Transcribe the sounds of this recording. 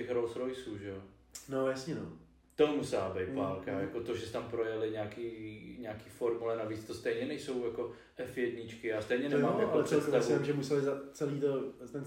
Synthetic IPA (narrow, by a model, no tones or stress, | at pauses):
ɛxɾolsɾojsuːʒɛo | nojasɲɛno̰ | t̪omusɛlabɛj̪palkajako̞t̪oʒɛsɛt̪ampɾojɛlɪɲaːkiːɲaːkiːfoɾmulɛnaviːt͡st̪ost̪ɛjɲɛnɛjso̞wjako̞ | ʔɛfjɛd̪ɲɪt͡ʃkɪast̪ɛjɲɛnɛmaːmaallɛpsɛltt̪asamʒɛmusɛlɪzat͡sɛliːt̪ot̪ɛn